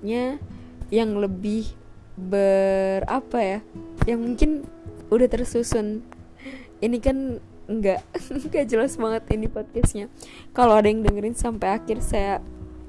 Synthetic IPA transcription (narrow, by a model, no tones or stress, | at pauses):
ɲa | jaŋləbɪh | bəra̰pajajaŋmuŋkɪnudaht̪ərsusʊn | inikan | əŋɡaʔɡad͡ʒəlasbaŋət̪inipot̪̚kasɲa | kaloadajaŋdəŋəɾɪnsampajakɪrsaja